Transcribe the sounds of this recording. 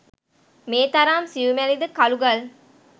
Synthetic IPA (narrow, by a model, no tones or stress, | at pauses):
meːt̪ɐɾaːmsiʋumelid̪ɯkɐluɡɐl